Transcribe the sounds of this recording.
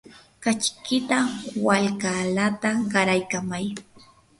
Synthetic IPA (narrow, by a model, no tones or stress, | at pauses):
kat͡ʃkɪt̪awalkalat̪aɢɑɾajkamaj